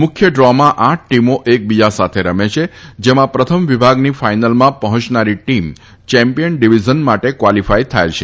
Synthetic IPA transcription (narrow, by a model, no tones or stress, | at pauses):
mʊkʰjəɖɾɔmãʔãʈ̚ʰʈimoʔek̚bid͡ʒasat̪ʰeɾəmet͡ʃʰed͡ʒemãpɾət̪ʰəmʋibʱaɡnifajnalmãpəɦɔ̃t͡ʃnaɾiʈim | t͡ʃɛ̃mpijənɖiʋid͡ʒənmaʈekʋalifajt̪ʰa̰jt͡ʃʰe